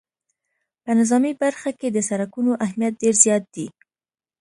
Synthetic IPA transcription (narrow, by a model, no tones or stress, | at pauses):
pənɪzɑmibaɾxaked̪əsaɾakunoʔaɦmijat̪̚ɖeɾzjɑt̪̚d̪i